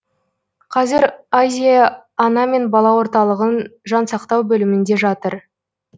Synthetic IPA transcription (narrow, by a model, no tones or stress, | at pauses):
qʰɑzɪɾazʲijɑːnɑme̞nbɑlˠɑwo̞ɾt̪ɑlˠəʁənʒɑnsɑqt̪ɑwbɵlɪmɪnd̪e̞ʒɑt̪əɾ